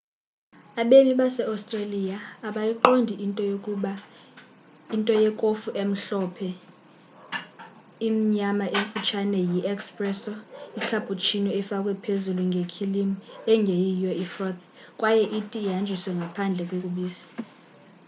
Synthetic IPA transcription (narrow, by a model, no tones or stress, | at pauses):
aɓemiɓasɛawstʼralijaːɓajiǃondʱintʼɔa | intʼɔjɛkʼofuʔem̩ɬɔpʰɛ | imiɲamaʔeɱfut͡ʃʰanɛjiʔɛkspʼrɛsɔikʰapʼut͡ʃʰinɔɛfakʼwɛpʰezuluŋɡʱekʰilimuɛŋɡʱejijɔifrɔt̪̚ | kʼwajɛʔitʼiɦand͡ʒʱiswɛŋɡʱapʰand͡ɮʱɛkʼwekʼuɓiːsḁ